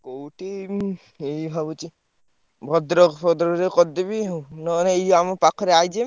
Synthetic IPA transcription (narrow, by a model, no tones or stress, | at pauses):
kowʈi | ejbʱabut͡ʃi | bʱɔd̪ɾɔpɔd̪ɾɔɾekɔd̪ebiɦnɔnejd͡ʒamɔpakʰɔɾeajd͡ʒe